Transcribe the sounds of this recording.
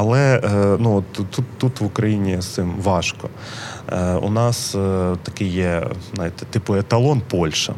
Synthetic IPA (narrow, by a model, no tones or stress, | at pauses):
ɐlˠɛnuɔt̪ːut̪ːut̪ʋʊkɾɐjinʲisɪmʋɑʃkɔ̰ | ʊ̰nɑst̪ɐkɪjjɛnɑjɪt̪ɛ̥t̪ɪpʊet̪ɐlˠɔnpɔlʲʃɐ̰